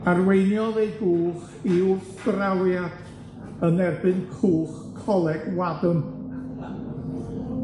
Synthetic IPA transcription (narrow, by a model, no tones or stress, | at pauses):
arwejnjɔðejɡuːχ | iw | ɡ̥rawjad̥ | ənɛrbɨnkʰuːχ | kʰɔlˠɛɡ̥wadʊm